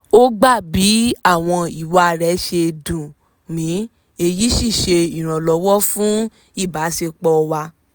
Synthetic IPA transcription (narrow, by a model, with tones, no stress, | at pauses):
o˦ɡ͡ba˦˨bi˨˦a˦˨w̃ɔ̃˧i˦˨wa˧˨ɾɛ˨˦ʃe˧dũ˨ | nĩ˨˦ | e˧ji˦ʃi˦˨ʃe˧i˨ɾ̃ã˨lɔ˨˧˦wɔ˦fũ˦ | i˦˨ba˨˦ʃe˧k͡pɔ˧wa˧